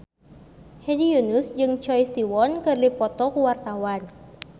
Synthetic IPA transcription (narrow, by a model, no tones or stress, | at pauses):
hɛdijunusd͡ʒɨŋt͡ʃɔjst̪iwɔnkɨrdipɔt̪ɔkuwart̪awan